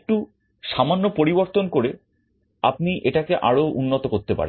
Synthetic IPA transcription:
k̚ʈu | ʃamanːopoɾiboɾt̪onkoɾe | ap̚niʔeʈakeʔaɽoʔunːot̪okoɾt̪epa̰ɾe

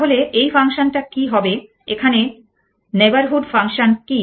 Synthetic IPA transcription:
ɦoleʔejfaŋʃonʈakiɦɔbe | ekʰane | nebaɾɦuɖfaŋʃonki

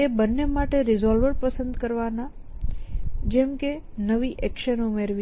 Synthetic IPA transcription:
ebənːemaʈeɾɪzɔlʋəɾpəsə̃nd̪kəɾʋana | d͡ʒɛmke | nəʋiʔɛkʃənumeɾʋi

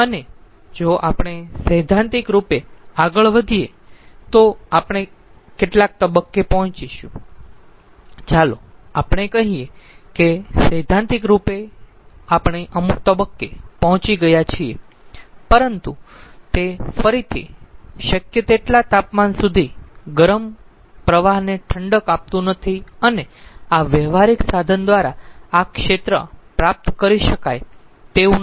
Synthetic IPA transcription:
əne | d͡ʒoʔa̰pɳ̃esəd̪ʱãnt̪ikɾupeaɡəɭʋəd̪ʱie | t̪oapɽ̃e | keʈlak̚t̪əbəkːepɔɦɔ̃t͡ʃiʃṵ̃ | t͡ʃaloapɳ̃ekəɦiekesəjd̪ʱãnt̪ik̬ɾupe | apəɳ̃eʔəmuk̚t̪əbəkːepɔɦɔ̃t͡ʃiɡəjat͡ʃʰie | pəɾənt̪ut̪efəɾit̪ʰḭʃəkjət̪eʈlat̪apmansud̪ʱiɡəɾəm | pɾəʋaɦneʈʰəɳɖəkap̚t̪ũnət̪ʰiəneaʋəʋaɾiksad̪ʱənd̪ʋaɾaakʃet̪ɾə̰pɾap̚t̪kəɾiʃəkajt̪eũ

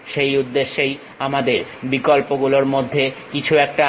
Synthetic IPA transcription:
ʃejud̪ːeʃːej | amad̪eɾbikolpoɡuloɾmod̪ʱːekit͡ɕʰuɛk̚ʈa

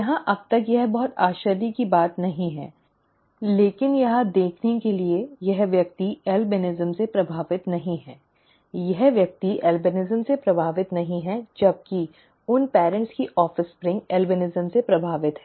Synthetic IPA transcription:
jɐɦãʔɐb̚t̪ɐkjɛɦbɐɦʊt̪aːʃəɾd̪ikibaːt̪nɐɦĩɦɛ̰ː | leːkɪnjɐɦãd̪eːkʰnekeliejɛɦʋjɐk̚t̪iɛːlbɪnɪzəmsepɾɐbʱaːʋɪt̪nɐɦĩɦɛː | jɛɦʋjɐk̚t̪iʔɛːlbɪnɪzəmsepɾɐbʱaːʋɪt̪nɐɦĩɦɛd͡ʒɐb̚ki | ʊnpɛːɾə̃ɳʈskiʔɔːfɪspɾɪ̃ŋɡɛːlbɪnɪzəmsepɾɐbʱaːʋɪt̪ɦɛː

